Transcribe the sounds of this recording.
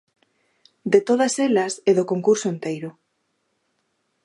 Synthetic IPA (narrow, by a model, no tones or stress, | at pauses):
d̪et̪oðɐselɐseðokoŋkuɾsoent̪ejɾʊ